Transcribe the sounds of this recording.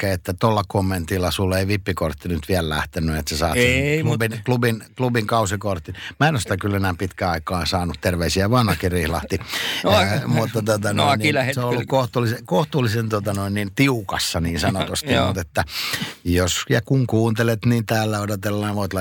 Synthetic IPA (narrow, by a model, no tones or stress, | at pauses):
kːeet̪ːæt̪olːɑkomːent̪ilːɑsulːeiʋipːikort̪ːinyt̪ʋiællæ̰ht̪enːyet̪sesɑ̰ːselubinklubinklubiŋkɑusikort̪ːimæenost̪ækylːenæːpit̪kæɑikɑːnsɑːnut̪t̪erʋeisiæʋɑnhɑkirihlɑ̰ht̪i | mut̪ːɑt̪ot̪ɑnnlæheseonolːukkoht̪uːlːisekoht̪uːlːisent̪uot̪ɑnoinnint̪iukɑsːɑniːnsɑnot̪ust̪imut̪et̪ːæjosjɑkuŋkuːnt̪elet̪niːnt̪æːlːæodot̪elːɑːnʋoit̪lɑ